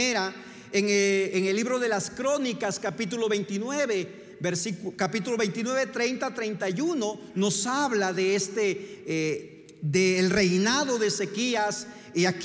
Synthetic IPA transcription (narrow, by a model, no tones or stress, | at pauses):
eɾa | eŋeːŋelːiβɾo̞ðe̞laskɾo̞nikaskapit̪ulo̞βe̞jnt̪inweβe | beɾsikkapit̪̬ulo̞βe̞jnt̪inwe̞βet̪ɾejnt̪at̪ɾejnt̪ajuno | no̞saβlaðeest̪e | d̪eːlre̞jnaðo̞ðeːse̞kias | iak